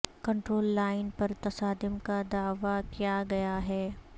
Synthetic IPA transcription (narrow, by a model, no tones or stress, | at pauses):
kɐ̃ɳʈɾoːlːaːɪnpɐɾt̪ɐsaːd̪ɪmkad̪aːʋakijaɡɐjaɦɛː